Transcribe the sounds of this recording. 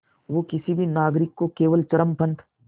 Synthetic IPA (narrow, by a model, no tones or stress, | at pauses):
ʋoːkɪsibʱinaːɡɾɪkːokeːʋəlt͡ʃɐɾəmpʰɐ̃nt̪ʰ